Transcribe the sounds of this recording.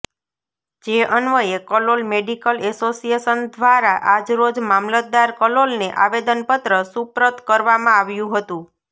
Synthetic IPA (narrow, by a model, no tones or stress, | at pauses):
d͡ʒeʔənʋəekəlolmeɖikəlɛsosieʃənd̪ʋaɾaʔad͡ʒɾod͡ʒmamlət̪̚d̪aɾkəlolneʔaʋed̪ənpət̪ɾəsupɾət̪kəɾʋamãaʋjũɦət̪ũ